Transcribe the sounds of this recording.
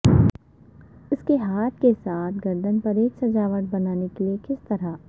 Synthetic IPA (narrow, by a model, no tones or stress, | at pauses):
ʊskeɦaːt̪̚ʰkesaːt̪ʰɡɐɾd̪ənpɐɾeːksɐd͡ʒaːʋəʈ̚bɐnaːnekeliekɪst̪ɐɾa